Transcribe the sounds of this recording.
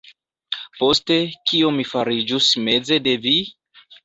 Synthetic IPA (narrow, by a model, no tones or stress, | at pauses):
po̞ste̞kio̞mifaɾid͡ʒusme̞ze̞de̞vi